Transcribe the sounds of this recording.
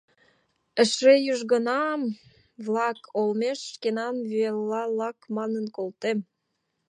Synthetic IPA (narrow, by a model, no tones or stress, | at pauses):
ə̆ʃrejyʒɣənɑm | vlɑkʰolmeʃʃkenɑnβyelːɑlɑkmɑnənkolt̪em